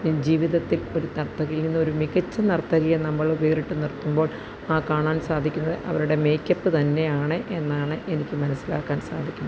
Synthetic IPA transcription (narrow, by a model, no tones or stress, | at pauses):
d͡ʑiːʋiðɐt̪ːilo̞ɾut̪ɐrt̪ːɐɣɐilninːɨo̞ɾumiɣɐt͡ɕːɐnɐrɐt̪ːɐɣɐjɐnɐmːɐɭobeːriʈːɨnirt̪ːumbo̞ːɭ | aːkaːɳaːnsaːd̪ʱikʲːunːɐðɨʔɐ̰ʋɐɾuɽe̞me̞jkːɐpːɨt̪ɐnːe̞jaːɳɨʔe̞nːaːɳɨʔe̞nikʲːɨmɐnɐsːila̰ːkːaːnsa̰ːd̪ʱikʲːundɐɐ